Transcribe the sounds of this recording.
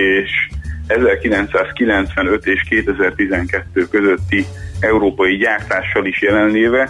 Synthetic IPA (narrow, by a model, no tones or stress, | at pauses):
eːʃɛzɛrkilɛnt̪saːskilɛnt̪sʋɛnø̞t̪eːʃkeːt̪ɛzɛrt̪izɛŋkɛt̪ːøːkøzøt̪ːi | ɛuɾoːpɒjiɟaːrt̪aːʃːɒliʃjɛlɛnleːvɛ